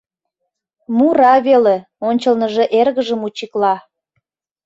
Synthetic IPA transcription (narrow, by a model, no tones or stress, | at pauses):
muɾɑβele | onʲt͡ɕəlnəʒe̽ʔerɣəʒəmut͡ɕiklɑ